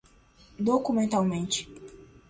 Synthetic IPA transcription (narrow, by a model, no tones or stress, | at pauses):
d̪okumẽnt̪awmẽnt͡ʃɪ̥